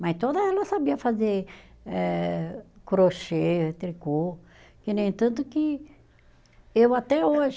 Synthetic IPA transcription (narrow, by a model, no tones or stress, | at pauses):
mɐjst̪od̪ɐɛlɐsabiɐfazeɛ | kɾoʃet̪ɾiko | kɪnẽj̃t̪ɐ̃t̪ʊkɪ | ewat̪ɛoʒ